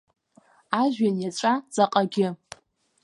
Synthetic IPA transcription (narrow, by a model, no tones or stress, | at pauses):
aʒᶣanjat͡ʃʷʼad͡zaqʼaɡʲɪ